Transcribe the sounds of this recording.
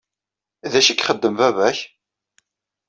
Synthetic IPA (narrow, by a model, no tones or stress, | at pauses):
ðæʃikːχəd̪ːəmvævæç